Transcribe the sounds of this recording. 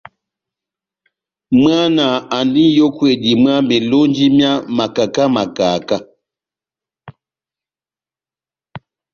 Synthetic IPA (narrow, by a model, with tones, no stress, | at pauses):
m˦a˦na˨a˨ndi˦n˦jo˦kwe˨di˨mɰa˦me˨lo˦n˦d͡ʒi˦mja˦ma˨ka˨ka˦ma˨kaː˨ka˦